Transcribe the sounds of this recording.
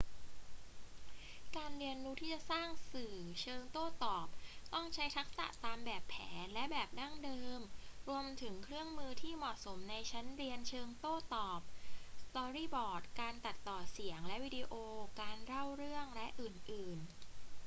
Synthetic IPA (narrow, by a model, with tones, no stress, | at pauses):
kaː˧nɾi˧ənːuː˦˥t̪ʰiː˥˩t͡ɕa˨˩saː˥˩ŋsɯː˨˩t͡ɕʰɤː˧ŋt̪oː˥˩t̪ɔː˨˩p̚t̪ɔ˥˩ŋt͡ɕʰa˦˥jt̪ʰa˦˥k̚sa̰˨˩ʔt̪aː˧mbɛː˨˩pʰːɛː˩˦nlɛ˦˥bɛː˨˩p̚da˥˩ŋdɤː˧mɾu˧əmt̪ʰɯ˩˦ŋkʰɾɯ˥˩əŋmɯː˧t̪ʰiː˥˩mɔ˨˩t̚so˩˦mna˧jt͡ɕʰa˦˥nɾi˧ənt͡ɕʰɤː˧ŋt̪oː˥˩t̪ɔː˨˩p̚st̪ɔː˧ɾiː˥˩bɔː˨˩t̪̚kaː˧nt̪a˨˩t̪ːɔː˨˩si˩˦əŋlɛ˦˥ʔwiː˧˥di˧ʔoː˧kaː˧nɾa˥˩wɾɯ˥˩əŋlɛ˦˥ʔɯː˨˩nʔɯː˨˩n